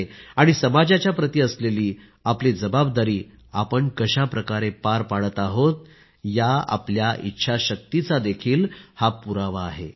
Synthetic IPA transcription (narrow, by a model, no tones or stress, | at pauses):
aɽ̃isəmad͡ʑat͡ɕjapɾət̪iːəsleliː | aplid͡zəbabd̪aɾiː | apəɳkəɕapɾəkaɾepaɾpaɽət̪aɦot̪ | jaa̰pljaʔitːɕʰaɕək̚t̪it͡sad̪ekʰiːlhapuɾaʋaːɦe